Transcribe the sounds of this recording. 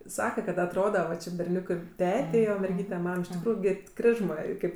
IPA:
ˈsɑːkɐ kɐt ɐtˈroːdɐ ʋɐ ˈt͡ʃʲɪ bʲɛrʲˈnʲuːkɜ ˈtʲæːtʲɛɪ oː mʲɛrʲˈɡʲiːtʲɛ ˈmɐm ɪʃ tʲɪkˈruːjʊ ɡʲɪ ˈkrʲɪʒmɜ ˈkɐɪp

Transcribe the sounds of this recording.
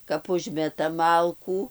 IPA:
kɐp ˈʊʒʲmʲɛtɐm ˈmɐlˠkuː

